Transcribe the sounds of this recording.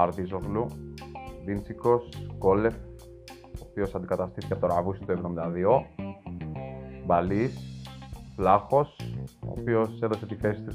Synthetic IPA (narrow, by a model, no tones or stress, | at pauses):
ɐɾðizo̞ɣlu | vint͡siko̞sko̞le̞f | oːpio̞sɐnd̪ikɐt̪ɐst̪iθicepot̪oɾɐvusi̥t̪ue̞vðomind̪ɐðio̞ | bɐlis | flɐxo̞so̰pio̞se̞ðo̞se̞t̪ife̞si̥t̪u